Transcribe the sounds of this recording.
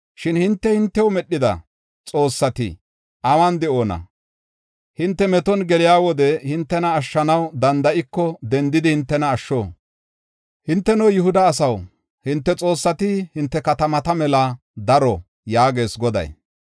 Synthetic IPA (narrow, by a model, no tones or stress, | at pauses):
ʃɪnhɪnt̪ːɛhɪnt̪ːɛwmɛɗːɪd̪ɐ̰ | t͡sʼo̞ːsːɐt̪ɪ̰ | ʔɐwɐnd̪ɛoːnɐ̰ | hɪnt̪ːɛmɛt̪ɔnɡɛlɪjaːwɔd̪ɛhɪnt̪ːɛnɐːʃːɐnɐwd̪ɐnd̪ɐʔɪkːɔd̪ɛnd̪ɪd̪ɪhɪnt̪ːɛnɐːʃːoː | hɪnt̪ːɛnowjʊhʊd̪ɐːs̬ɐw | hɪnt̪ːɛt͡sʼo̞ːsːɐt̪ɪhɪnt̪ːɛkɐt̪ɐmɐt̪ɐmɛlɐ | d̪ɐɾɔ | jaːɡe̞ːsɡɔd̪ɐ̰j